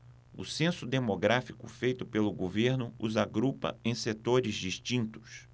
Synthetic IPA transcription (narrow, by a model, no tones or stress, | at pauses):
ʊ̰sẽsʊd̪emoɡɾafikʊfejt̪ʊpelʊɡoveɾnʊuzaɡɾupɐ̰ẽj̃set̪oɾɪzd͡ʒiʃt͡ʃĩnt̪ʊ̥s